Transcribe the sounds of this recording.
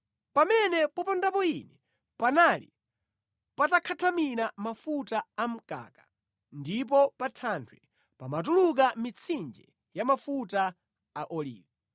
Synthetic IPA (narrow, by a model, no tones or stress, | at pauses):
pamɛnɛpɔpɔndapɔinɛ | panalḭ | patakʰatʰaminamafutaːm̩ka̰ka | ndip̬ɔpatʰantʰwɛ | pamat̬uluk̬amit͡sʰind͡ʒɛ | jamafuta | aʔɔlḭːvɛ